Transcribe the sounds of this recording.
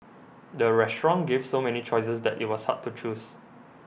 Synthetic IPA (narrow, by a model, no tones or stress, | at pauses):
dəɹɛstɹɔ̃nɡevsomɛnit͡ʃɔjs̬əsdɛtḭt̚wɔsha̰tʰːut͡ʃus